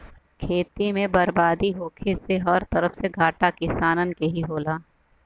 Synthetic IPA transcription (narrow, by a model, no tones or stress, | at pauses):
kʰeːt̪imẽbɐɾbaːd̪iɦoːkʰeseɦɐɾt̪ɐɾəfseɡʱaːʈakɪsaːnənkeɦiɦoːlaː